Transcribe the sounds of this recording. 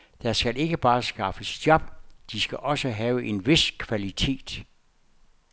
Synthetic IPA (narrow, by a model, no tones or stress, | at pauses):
d̥æsɡ̥æle̝ɡ̥əb̥ɑ̈ːsɡ̥ɑ̈fəsd̥jɒb̥̚d̥isɡ̥æʔɒ̽səɦɛːʊəʔe̝nʋe̝skʰʋælit͡sʰe̝̰ːd̥